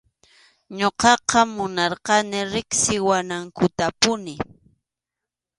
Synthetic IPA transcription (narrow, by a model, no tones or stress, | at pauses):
ɲoqɑqɑmʊnɑɾqɑnɪɾɪksɪwanaŋkʊt̪apʊnɪ